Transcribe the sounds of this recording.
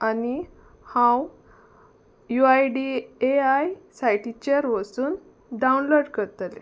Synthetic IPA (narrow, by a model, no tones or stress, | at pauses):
ani | hãw | juajɖieajsajʈit͡ɕeəɾʋəsuːn | ɖaunloɖkəɾt̪alḛ